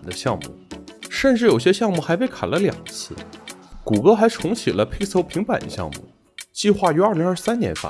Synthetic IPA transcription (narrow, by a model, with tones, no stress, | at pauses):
nd̪ə˦ɕjɑ̰˥˧ŋmṵ˥˩ʂə˥˧nʈ͡ʂɻ̩˥˩jo˨˩ʊɕ̬jɛ˥ɕjɑ˥˧ŋmu˥˩xa˧˥ɪpe˥˩ɪkʰa̰˨˩nlə˦ljɑ̰˨˩ŋt͡sʰɹ̩˥˩ku˨˩kɤ˥xa˧˥ɪʈ͡ʂʰʊ˧˥ŋt͡ɕʰi˨˩lə˦pʰe˥ɪsʰo˥ʊpʰi˧˥ŋpa˨˩nd̪ə̰˦ɕjɑ̰˥˧ŋmṵ˥˩ | t͡ɕi˥˧xwa˥˩y˧˥a˞˥˧li˧˥ŋa˞˥˧˩sa˥nnjɛ̰˧˥nfa̰˥˩